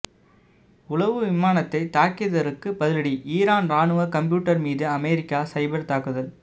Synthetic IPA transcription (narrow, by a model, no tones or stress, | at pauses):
ʊɭɐʋɯʋɪmaːnɐt̪ːɐɪt̪aːkːɪðɐɾɯkːɯpɐðɪlɐɽiʔiːɾaːnɾaːnɯʋɐkɐmpjuːʈːɐɾmiːðɯɐmɛːɾɪkːaːsɐɪbɐɾt̪aːkɯðɐl